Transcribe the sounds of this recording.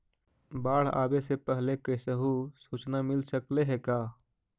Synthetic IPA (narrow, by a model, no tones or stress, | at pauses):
baːɽ̤a̰ːbesepəɦlekəɪsəɦusut͡ʃnamɪlsəkleɦekaː